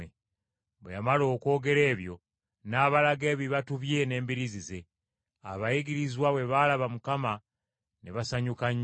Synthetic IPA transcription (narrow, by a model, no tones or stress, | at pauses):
e | βejamalo̞ːko̞ːɡe̞ɾe̞ːβjo̞ | naːβalaɡe̞ːβiβatuβje̞ne̞ːmbiɾizize̞ | a̰βajiɡiɾizwaβwe̞βalaβamukama | neβasaɲukaɲ